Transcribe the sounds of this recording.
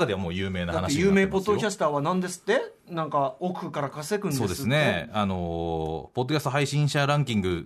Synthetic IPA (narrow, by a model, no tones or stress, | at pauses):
kad̪e̞βamoːjɯ̟ːme̞ːnaanaeiijɯ̟ːmeːppo̞d̪ːo̞kʲasɨ̥t̪aːβanãnd̪e̞sɨ̥t̪ːe̞ | nãŋkaokɯ̟kaɾakasekɯ̟nso̞ːd̪e̞sɨne̞anopo̞d̪ːoast̪o̞ɦaiɕĩɰ̃ɕaɾãŋkʲĩŋɡɯ̟